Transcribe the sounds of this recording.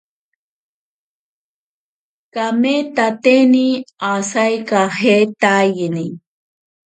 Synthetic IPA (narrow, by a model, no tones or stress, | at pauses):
kamet̪at̪eniasajkahet̪ajini